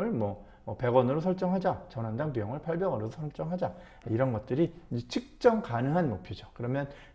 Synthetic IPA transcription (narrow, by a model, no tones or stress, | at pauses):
ɯɭmwʌ | pe̞ɡwʌnɯɾosʰʌɭt͡ɕ͈ʌŋɦad͡ʑat͡ɕʌnɦandaŋpijʌŋɯɭpʰaɭbjʌŋɯɾosʰʌɭt͡ɕ͈ʌŋɦad͡ʑa | aiɾʌnɡʌt̚t͈ɯɾiet͡ɕʰɯk̚t͡ɕ͈ʌŋkanɯŋɦanmopʰjod͡ʑʌkɯɾʌmjʌn